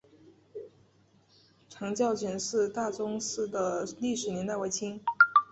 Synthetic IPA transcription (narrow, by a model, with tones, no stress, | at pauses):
ʈ͡ʂʰɑ˧˥ŋt͡ɕjɑ˥˩ʊt͡ɕɛ˧˥nʂɻ̩˥˧t̪a˥˩ʈ͡ʂʊ˥ŋʂ̩˥˩d̪ə˩li˥˩ʂɻ̩˨˩njɛ˧˥nt̪a˥˩ɪwe˧˥ɪt͡ɕʰi˥ŋ